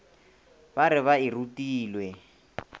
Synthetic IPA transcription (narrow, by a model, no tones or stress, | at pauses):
baɾɪβairutiːlwɛ